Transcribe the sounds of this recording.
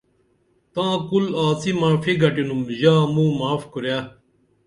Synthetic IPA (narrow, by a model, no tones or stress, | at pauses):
t̪ãːkulaːsimaːfiɡʱɐʈinumʑaːmũːmaːfkuɾjaː